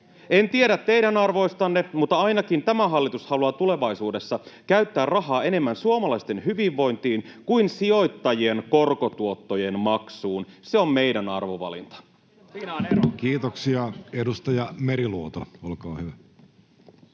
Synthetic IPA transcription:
ent̪ieɾæt̪ːe̞jɾænɑrʋo̞ist̪ɑnːemut̪ːɑɑjnɑkint̪æmæɦɑlːit̪ushɑluɑt̪ule̞ʋɑisuːde̞sːɑkæyɥt̪ːæːrrɑɦɑːe̞ne̞mːænsuomɑlɑist̪e̞nɦyʋiʋːo̞jnt̪iːnkujnsio̞jt̪ːɑjienko̞rko̞t̪uo̞t̪ːoje̞nmɑksuːnse̞o̞mmejdænɑ̰rʋoʋɑ̰lḭnt̪ɑ̥ | siːnonerkiːt̪oksiɑedust̪ɑjɑmeɾiluot̪ɑolkɑːhyʋæ

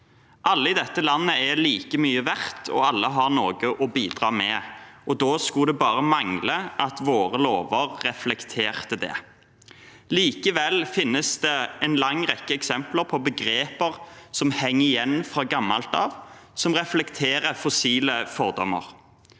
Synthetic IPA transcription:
ʔɑlːəɪd̪ɛt̪ːəlɑnːəɛliːkəmyːəʋæʁt̪ʰɔ̰ɑlːəɦɑʁnoːɡəʔɔbiːd̪ʁɑːmɛʔɔd̪oːskʊd̪ɛbɑːʁəmɑŋləʔɑt̪ʋoːʁəloːʋəʁːɛflɛkt̪ʰeːʁt̪əd̪ɛ̰ː | liːkəʋɛlfɪnːəsd̪ɛɛnlɑŋʁɛkːəɛksɛmpləʁpʰɔbəɡʁeːpəʁsɔmhɛŋːəɪjɛnːfʁɑːɡɑmːɑ̰lt̪ɑ̰ːʋsɔmʁɛflɛkt̪ʰeːɾəfɔsiːləfɔʁd̪ɔmːə̰ʁ

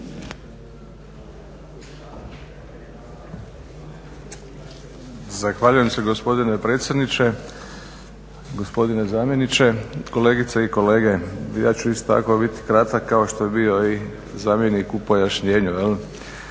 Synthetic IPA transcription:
zaxʋaʎuje̞mse̞ɡospo̞d̪inepɾe̞ːt̪sjed̪nit͡ʃe | ɡo̞spo̞d̪ine̞zaːmjenit͡ɕe̞ko̞le̞ːɡit̪seiko̞le̞ːɡe̞ja̰ːt͡ɕuisot̪a̰ko̞bit̪i̥kɾat̪akːaoʃt̪o̞jebio̞i | zaːmje̞nikupo̞jaʃɲe̞ːɲujel

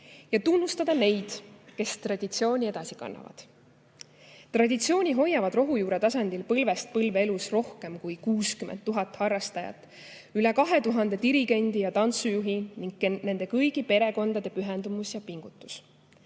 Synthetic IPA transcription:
jɑt̪unːust̪ɑd̪̥ɑne̞jd̪̥ke̞st̪rɑd̪ʲit̪sio̞ːnʲie̞d̪̥ɑsi̥kɑ̰nːɑ̰vɑ̰d̪̥ | t̪rɑd̪ʲit̪sio̞ːnʲiɦo̞jːɑvɑd̪ro̞ɦujuːɾet̪ɑsɑnʲd̪̥ilpɤlve̞st̪̚pɤlvee̞lusro̞hke̞mkujkuːskymʔent̪ːuɦɑt̪ːˑhɑrːɑst̪ɑjɑ̰t̪ːˑ | ylɛkɑɦe̞t̪uɦɑnd̪e̞d̪iɾiɡ̥e̞nʲd̪̥ijɑt̪ɑnt̪sujuɦiniŋɡ̥̚kene̞nd̪e̞kɤjɡipe̞ɾe̞ko̞nd̪ɑd̪̥e̞pyɦɛnd̪umusjɑpiŋɡ̥ut̪ːˑu̥s

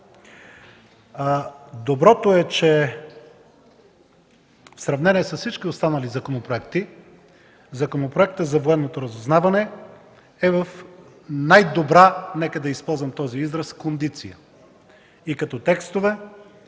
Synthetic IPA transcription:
d̪obɾɔt̪oɛt͡ʃɛ | fsɾɐvnɛniɛsəssit͡ʃkiost̪anɐlizɐkonopɾoɛkt̪i | zɐkonopɾoɛkt̪əzɐvoɛnːot̪oɾɐzoznavɐnɛ | ɛvɐf | najd̪obɾanɛkəd̪ɐispɔlˠzvɐmt̪ɔziizɾəskond̪it̪sijə | ikɐt̪ɔt̪ɛkst̪ovɛ

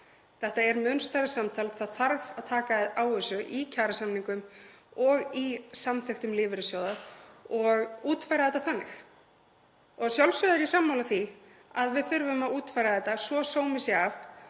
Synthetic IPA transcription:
θɛht̪aɛɾmʏnst̪ajɾɪsamt̪ʰaːlθaðθaɾvaðt̪ʰaːkaɪðaːwʏsʏʔicʰaːɾasamniŋkʏm | ɔɣisamθɛxt̪ʏmlɪːvɪɾɪsjoːwðaɔɣuːt̪fajɾaðɛt̪ːaθanːɪx | ɔɣsjawlsjœðʏɾisamːawlaθi | aðvɪðθʏɾvʏmaðuːt̪fajɾaðɛht̪ːasvɔsoːwmɪsɪɣaf

